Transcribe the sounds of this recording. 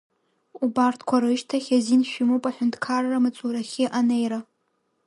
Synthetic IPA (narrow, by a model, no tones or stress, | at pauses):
ubartʰkʷʰaɾɨʃtʰaχʲazinʃᶣimupʼaħʷᶣʊndkʰarːamɨt͡sʼuɾaχʲɪʔanejɾa